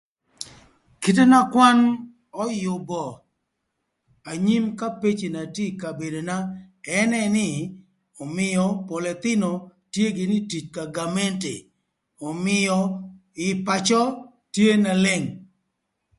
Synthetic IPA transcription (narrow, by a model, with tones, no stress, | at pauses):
ke˨t̬e˦na˦kwa˦n | ɔ˦jʊ˨bɔ˨ | a˨ɲi˦mka˦pe˦t͡ʃe˨na˨ti˦ka˨be˨do˨na˦ɛ˦nɛ˦nɪ˦ | ɔ˨mɪ˨jɔ˨pɔ˨lɛ˨t̪ɪ˦no˨tje˦ɡɪ˨nɪ˦ti˨t͡ʃka˨ɡa˨mɛ˦ntḛ˨ | ɔ˨mɪ˨jɔ˦ | ɪ˨pa˨t͡ʃɔ˦ | tje˦na˨le˦ŋ